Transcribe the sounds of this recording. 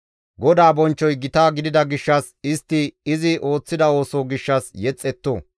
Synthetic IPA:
ɡɔd̪aːbɔnt͡ʃːɔjɡɪt̪aːɡɪd̪ɪd̪ɐɡɪʃːɐs | ɪst̪ːɪɪzɪʔo̞ːt͡sːɪd̪ɐo̞ːsoːɡɪʃːɐsjɛt͡sʼːɛt̪ːo̰ː

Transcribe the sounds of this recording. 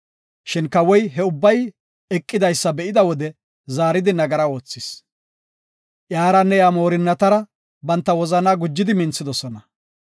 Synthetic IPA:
ʃɪnkɐwɔjɦɛʊbːɐj | ɛkʼːɪd̪ɐjsːɐbɛʔɪd̪ɐwɔd̪ɛ | zaːɾɪd̪ɪnɐɡɐɾɐo̞ːt͡sːɪs | ʔjaːɾɐnːɛjaːmo̞ːɾɪnːɐt̪ɐɾɐ | bɐnt̪ːɐwɔzɐnaːɡʊd͡ʒːɪd̪ɪmɪnt͡sːɪd̪ɔsɔnɐ

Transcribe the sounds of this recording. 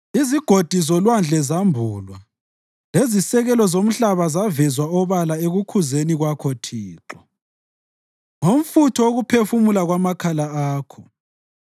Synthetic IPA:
iziɡ̥ʱod̥ʱisɔlwand͡ɮʱɛzambʱuːlwa | lezisɛɣɛlɔzom̩ɬaβazavɛzwaɔβalaeɣukʰuzeniɣwakʰɔtʰiːǃɔ | ŋom̩futʰɔoɣupʰefumulaɣwamakʰalaaːkʰɔ

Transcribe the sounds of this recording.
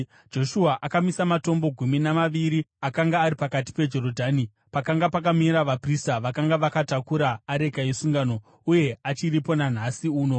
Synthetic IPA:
d͡ʒo̞ʃuaʔakamisamato̞mbo̞ɡʱuminamaʋiɾiakaŋɡaːɾipakat̬i̥pe̞d͡ʒo̞ɾo̞dʱaːni | pakaŋɡapakamiɾaʋapristaʋakaŋɡaʋakatakuɾaːɾe̞ɡʱajesuŋɡano̞ | uje̞at͡ʃiɾipo̞nan̤asiuːno̞

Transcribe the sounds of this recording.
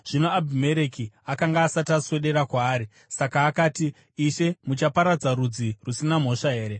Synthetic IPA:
ʐ̥ino̞abʱime̞ɾekiakaŋɡaːsataswe̞ɗe̞ɾakwaːɾi | sakaːkaːtiː | ʃe̞mut͡ʃapaɾad͡zaɾud͡zirusinam̤o̞ʂaɦe̞ːɾe̞

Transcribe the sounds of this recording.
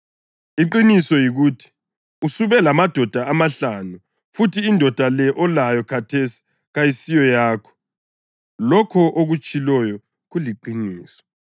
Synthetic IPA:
iǃinisɔjiɣuːtʰi̥ | usuβɛlamad̥ʱɔd̥ʱaːmaɬanu | futʰiːndʱɔd̥ʱalɛʔɔlajɔkʰatʰesi̥ | ɣajisijɔjaːkʰɔ̥ | lɔkʰɔʔoɣut͡ʃʼilɔjɔ | ɣuliǃiniːsɔ̥

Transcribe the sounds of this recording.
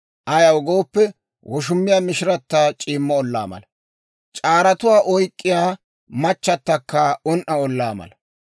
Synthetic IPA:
ʔɐjɐwɡo̞ːpːɛ | wʔɔʃ̬ʊmːɪjaːmɪʃɪɾɐt̪ːat͡ʃʼiːmːɐɔlːa̰ːmɐ̰lɐ | t͡ʃʼaːɾɐt̪ʊwaːʔɔjkʼːɪjaː | mɐt͡ʃːɐt̪ːɐkːɐɔnʔɐɔlːa̰ːmɐ̰lɐ

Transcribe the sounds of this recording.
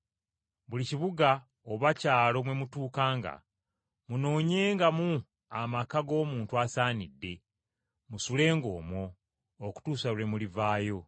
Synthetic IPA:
βuliciβuɡa | oβacaːlo̞mwe̞mutuːkaːŋɡa̰ | muno̞ːɲe̞ːŋɡamu | amakaɡo̞ːmuːntuasaːnidːe̞ | musule̞ːŋɡo̞̰ːmo̞ː | ku̥tuːsaɾe̞mulivaːjo̞

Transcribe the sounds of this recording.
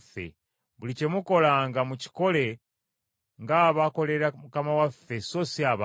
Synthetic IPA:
fːḛ | βulicemuko̞laːŋɡamuci̥ko̞le̞ | ŋɡaːβako̞le̞ɾamukamawafːe̞so̞siaβ

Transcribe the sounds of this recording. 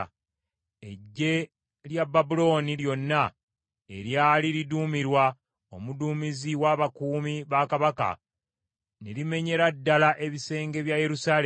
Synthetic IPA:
e̞ɟːe̞ | ljababulo̞ːniljo̞nːa | e̞ɾjaːliɾiduːmiɾwa | omuduːmiziwaːβakuːmiβakaβaka̰ | nelime̞ɲe̞ɾadːalaʔe̞βise̞ːŋɡe̞βjaje̞ɾusaːle

